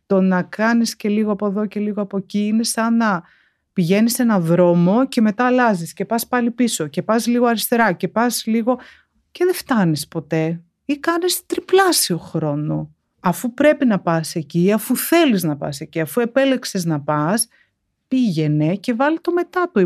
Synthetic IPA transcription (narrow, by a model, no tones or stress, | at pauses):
t̪o̞nɐkɐnisce̞liɣoɐpo̞ðo̞ce̞liɣoɐpo̞eciine̞sɐnɐ | piʝe̞nise̞nɐðɾo̞mo̞ce̞me̞t̪ɐːlɐzisce̞pɐspɐlipiso̞ce̞pɐzliɣoɐɾist̪e̞ɾɐce̞pɐzliɣo̞ | ceðeft̪ɐnispo̞t̪e̞ | ikɐnest̪ɾiplɐsioxɾo̞no̞ | ɐfupɾe̞pinɐpɐse̞ciɐfuθe̞liznɐpɐ̰se̞ciɐfue̞pe̞le̞kse̞znɐpɐs | piʝe̞ne̞ce̞vɐlit̪o̞me̞t̪ɐt̪u